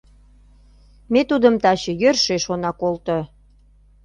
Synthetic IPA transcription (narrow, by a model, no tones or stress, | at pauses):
met̪ud̪əmt̪ɑt͡ɕəjørʃeʃonɑkolt̪o